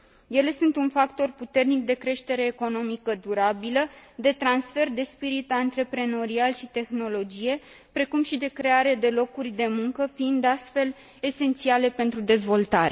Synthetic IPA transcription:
je̞le̞sunt̪unfakt̪o̞rput̪e̞rnik̚d̪e̞kɾe̞ʃt̪e̞ɾe̞ːko̞no̞mikəd̪uɾabiləd̪e̞t̪ɾansfe̞rd̪e̞spiɾit̪ant̪ɾe̞pɾe̞no̞ɾialʃit̪e̞xno̞lo̞d͡ʒije̞ | pɾe̞kumʃid̪e̞kɾe̞aɾe̞d̪e̞lo̞kurʲd̪e̞muŋkəfiind̪ast̪fe̞l | ese̞nt̪siale̞pe̞nt̪ɾud̪e̞zvo̞lt̪aɾe

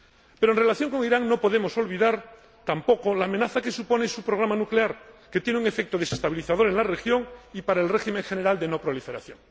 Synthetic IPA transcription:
pe̞ɾoenre̞laθjo̞ŋko̞ŋiɾaŋno̞po̞ðe̞mo̞so̞lβiðaɾ | t̪ampo̞kolaːmenaθakesupo̞nesupɾoɣ̞ɾamanukleaɾket̪jeneuŋe̞fek̚t̪oð̞e̞sest̪aβiliθað̞o̞ɾe̞nlare̞xjo̞ŋipaɾaelre̞ximẽ̞ŋxene̞ɾald̪e̞no̞pɾo̞life̞ɾa̰θjo̞̰ŋ

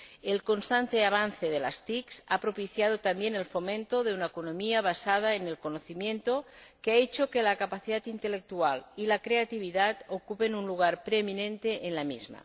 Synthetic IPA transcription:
elko̞nst̪ant̪eaβ̞anθe̞ð̞ela̰st̪iksapɾopiθjað̞ot̪ambje̞nelfo̞mẽnt̪oðe̞unaekonõmiaβ̞asað̞aene̞lko̞noθimjẽ̞nt̪o̞keaet͡ʃokelakapaθiðat̪int̪elek̚t̪ualilakɾe̞at̪iβ̞iðat̪okupe̞nunluɣ̞aɾpɾeminẽ̞nt̪e̞ʔːnlamizma̰

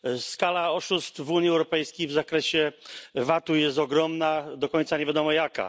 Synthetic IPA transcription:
skalaɔʂust̪vuɲjiɛwɾɔpɛjskʲejvzakɾɛɕɛvat̪ujɛst̪ɔɡɾɔmnad̪ɔkɔɲt̪saɲevʲjad̪ɔmɔjaka̰

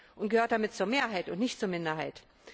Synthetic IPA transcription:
ʔʊntɡ̥əhøːɐt̚d̥amɪt̚t͡suːɐmeːɐɦaɪtʊntnɪçtt͡suːɐmɪndɐɦaɪt

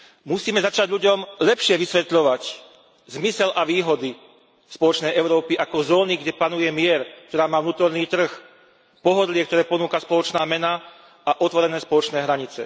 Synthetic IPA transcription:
musiːmɛzat͡ʃaɟʎuɟɔmlɛpʃɪɛʋisʋɛt̪ʎɔʋac | zmisɛlʔaʋiːɦɔd̪i | spɔlɔt͡ʃnɛjɛʊɾɔːpiʔakɔzɔːniɡɟɛpanujɛmɪɛɾkt̪ɔɾaːmaːvnuːt̪ɔɾniːt̪r̩x | pɔɦɔd̪lɪɛkt̪ɔɾɛːpɔnuːkaspɔlɔt͡ʃnaːmɛna | aʔɔt̪ʋɔɾɛnɛːspɔlɔt͡ʃnɛːɦɾaɲit͡sɛ̰

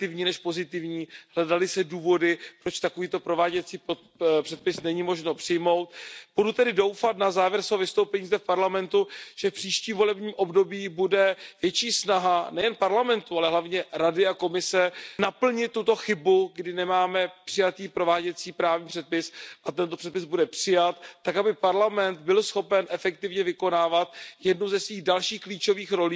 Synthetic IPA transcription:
t̪ɪvɲiːnɛʃpo̞zɪt̪ɪvɲiːɦlɛdalɪsɛduːvo̞dɪpɾo̞t͡ʃt̪akoviːt̪o̞pɾo̞vaːɟɛt͡siːpo | pr̥ɛt̪̚pɪsnɛɲiːmo̞ʒnopr̥ɪjmo̞wt̪̚b̥udut̪ɛdɪdo̞wfat̪nazaːvjɛɾsvɛɦovɪst̪owpɛɲiːzdɛfpaɾlamɛnt̪uʒ̥ɛfpr̥iːʃciːmvo̞lɛbɲiːmʔo̞bdo̞biːbudɛvjɛt͡ʃiːsnaɦanɛjɛnpaɾlamɛnt̪ualɛɦlavɲɛɾadɪako̞mɪsɛnapl̩ɲɪt̪ːut̪o̞xɪbuɡdɪnɛmaːmɛpr̥ɪjat̪iːpɾo̞vaːɟɛt͡siːpɾaːvɲiːpr̥ɛt̪̚pɪsʔat̪ɛnt̪o̞pr̥ɛt̪̚pɪzbudɛpr̥ɪjat̪t̪ːakabɪpaɾlamɛnt̪bɪlsxo̞pɛnʔɛfɛkt̪ɪvɲɛvɪko̞naːvat̪jɛdnuzɛsviːɣdalʃiːxkliːt͡ʃo̞viːxɾo̞liː

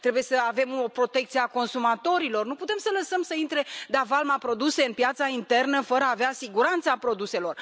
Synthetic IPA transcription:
t̪ɾe̞buje̞səave̞mopɾo̞t̪e̞k̚t̪sijeako̞nsumat̪o̞ɾilo̞rnuput̪e̞msələsəmsəint̪ɾe̞d̪avalmapɾo̞d̪use̞ɨnpjat̪saint̪e̞rnəfəɾəaːveasiɡuɾant̪sapɾo̞d̪use̞lo̞r

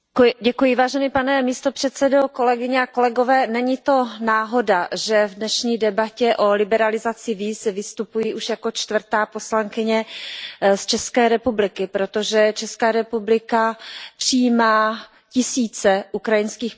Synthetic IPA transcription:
ɟɛkujɪvaːʒɛniːpanɛmiːst̪o̞pr̥ɛt̪sɛdo̞ko̞lɛɡɪɲɛako̞lɛɡo̞vɛːnɛɲɪt̪o̞naːɦo̞daʒɛvdnɛʃɲiːdɛbacɛʔo̞lɪbɛɾalɪzat͡sɪviːsvɪst̪upujiʔuʃjako̞t͡ʃt̪vr̩t̪aːpo̞slaŋkɪɲɛ | st͡ʃɛskɛːɾɛpublɪkɪpɾot̪o̞ʒɛt͡ʃɛskaːɾɛpublɪkapr̥ɪjiːmaː | cɪsiːt͡sɛʔukɾajɪnskiːx

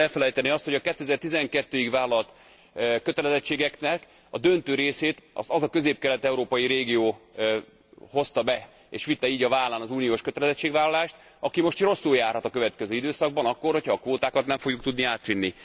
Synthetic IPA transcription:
ɛlfɛlɛjt̪ɛneɒst̪ho̞ɟɒkɛt̪ːøɛzɛrt̪izɛŋkɛt̪ːøːikvaːlɒlt̪ | kø̞t̪ɛlɛzɛt͡ʃːeːɡɛknɛk | ɒd̪ø̞nt̪øːɾeːseːt̪ɒzɒkø̞zeːp̚kɛlɛt̪ɛuɾoːpɒjiɾeːɡijoː | ho̞st̪ɒbɛ | ḛːʃʋit̪ːɛiːɟɒvaːlːaːnɒzuːnijoːʃkøt̪ɛlɛzɛt͡ʃːeːɡvaːlɒlaːʃt̪ | ɒkimo̞ʃt̪ro̞sːuljaːrhɒt̪ɒkø̞vɛt̪kɛzøːid̪øːsɒɡ̚bɒnɒkːo̞rhocʰhɒːkʋoːt̪aːkɒt̪nɛɱfo̞ɡjuk̚t̪ud̪niaːt̪ʋinːi

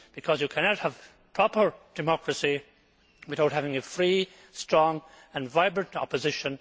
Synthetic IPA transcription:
b̥ɨkʰʌzjɨkʰæñət̚həv̥ | pʰɹ̥ɔpə˞d̥ɨmɑkɹəsi | wɨθaʊt̚ɦævɪ̃ŋɨfɹi | stɹ̥ɔ̃ŋ | ə̃nvaɪbɹə̃ntɑ̰pɨzɪʃə̃n

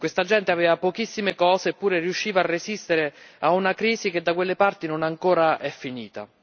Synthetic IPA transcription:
kwest̪ad͡ʒɛnt̪eaveːvapokisːimekɔːzeːpːuːɾerjuʃːiːvaarːezist̪eɾeaunakɾiːzik̟ed̪ːakwelːepart̪inonaŋkoːɾaʔɛfːiniːt̪a̰

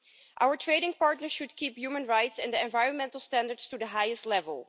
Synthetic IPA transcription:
ʔawəɹtʰɹeɪɾɪ̃ŋpɑɹtnəɹʃudkiːpjuːmə̃nɹajtsɛ̃ndəɛ̃nvajɹə̃nmɛ̃ntl̩ˠstæ̃ndəɹdstudəɦajəstˡlɛvə̰lˠ

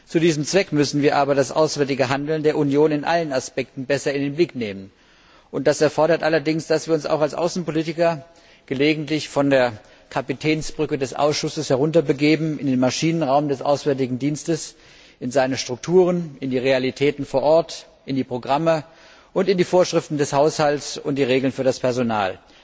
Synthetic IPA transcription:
t͡sudiːzəmt͡sv̥ɛkmʏsn̩viːɐʔaːbɐdasʔa̰ʊsv̥ɛɐtɪɡəɦandl̩ndeːɐʔunjoːnɪnʔa̰lənaspɛk̚tn̩bɛsɐɪndenblɪkneːmən | ʔʊnt̚d̥asɛɐfɔɐɾɐtʔalɐdɪŋsd̥asv̥iːɐʊnsa̰ʊxalsʔa̰ʊsn̩poliːtɪkɐ | ɡ̥əleːɡŋ̩tlɪçfɔndeːɐ | kʰapitʰɛːnsb̥ʁʏkədɛsʔa̰ʊsʃʊsəshɛʁʊntɐbəɡeːbm̩ɪndeːnmaʃiːnənʁaʊmdɛsʔaʊsv̥ɛɐtɪɡŋ̩diːnstəs | ɪnzaɪnəʃtʁ̥ʊk̚tʰuːʁ̞ənɪndiːʁealitʰɛːtn̩foːɐʔɔɐt | ʔɪndiːpʁ̥oɡʁamə | ʔʊntɪndiːfoːɐʃʁ̥ɪftn̩dɛshaʊshaltsʊnt̚d̥iːʁ̞eːɡl̩nfyːɐɾaspʰɛɐzona̰ːl

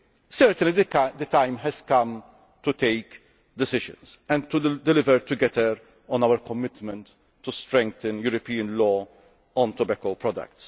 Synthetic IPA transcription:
sɛɾt̪ə̃nlid̪ət̪ãɪ̃mɦɛzkɐ̃m | t̪ut̪eɪk | d̪ɪsɪʒə̰̃nsɛ̃nt̪ud̪ɛlɪvəɾt̪ʊɡɛt̪əɾ | ɔ̃nawəɾkɔmːɪt̪mɛ̃nt̪ː | ust̪ɾɛ̃ŋk̚t̪ə̃njuɾɔpiːə̃nlɔː | ɔ̃nt̪ɔbɛkopɾɔd̪ɐ̰k̚t̪s

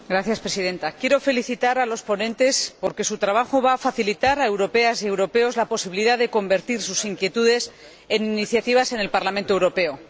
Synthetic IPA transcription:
ɡɾaθjaspɾe̞sið̞ẽ̞nt̪akje̞ɾo̞fe̞liθit̪aɾalo̞spo̞nẽ̞nt̪e̞spo̞ɾke̞sut̪ɾaβaxo̞βaːfaθilit̪aɾae̞wɾo̞pe̞asje̞wɾo̞pe̞o̞zlapo̞siβiliðaðe̞ko̞mbe̞ɾt̪iɾsusiŋkje̞t̪uðe̞s | e̞niniθjat̪iβ̞ase̞ne̞lpaɾlament̪o̞ewɾo̞pe̞o̞

